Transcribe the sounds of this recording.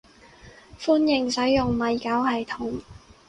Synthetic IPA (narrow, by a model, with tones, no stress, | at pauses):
fuː˥njɪ˨ŋsɐ˨˥jjʊ˨ŋmɐ˨˧jkaː˨˥whɐ˨jt̪ʰʊ˨˥ŋ